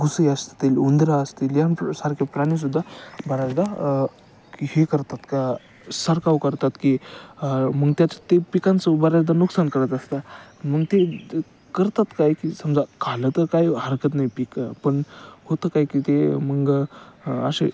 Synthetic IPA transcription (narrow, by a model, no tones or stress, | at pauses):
ɡusiəst̪ilund̪ɾaəst̪iːljansaɾkʰapɾañis̬ud̪ʱːabəɾad͡zd̪a | ihekəɾt̪at̪ka | səɾkawkəɾt̪at̪ki | məɡt̪jat͡s̪ət̪epikant͡səbəɾad͡zd̪anuksankəɾət̪əst̪am̤əɡt̪e | kəɾt̪at̪kajkisəmd͡zakalət̪əɾkajɦəɾkət̪najpikpəɳhot̪əkajkit̪eməɡ | ə̰ɕḛ